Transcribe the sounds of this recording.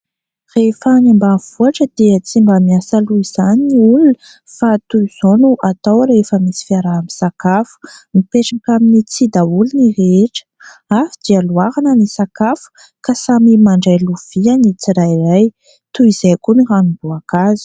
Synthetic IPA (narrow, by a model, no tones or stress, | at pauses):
refənambav̥uaʈ͡ʂəd̪̥iət͡simbamiasaluiz̥aniulunə | fat̪uiz̥onuʔat̪awɾefəmisi̥fiaɾaːmisakafu̥mipeʈ͡ʂakaminit͡sid̪aulunireeʈ͡ʂə̥afid̪ialuaɾanənisakafu̥ | kasamimaɳɖ͡ʐajluv̥ianit͡siɾajraj | t̪uizakuniranubuakazi̥